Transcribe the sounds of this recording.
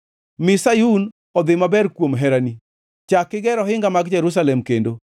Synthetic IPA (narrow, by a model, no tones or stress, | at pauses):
mɪsajun | ɔd̪ɪmabɛɾkwomɦɛɾani | t͡ʃakːɪɡɛɾɔɦɪŋɡamaɡd͡ʒɛɾus̬alɛmkendo